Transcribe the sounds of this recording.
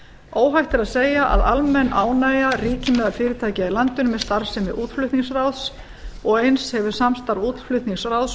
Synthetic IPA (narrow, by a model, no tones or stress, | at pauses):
oːwɦajht̪ɛɾaðseːjaʔa̰ðalmɛnːaːwnaːjariːcɪmɛðafɪːɾɪt̪ʰaːjcɪilant̪ʏnʏmɛðst̪aɾsɛmɪʔuːt̪flʏt̪niŋsrawðs | ɔɣejnshɛvʏɾ̥samst̪aɾvuːt̪flʏt̪niŋsrawðs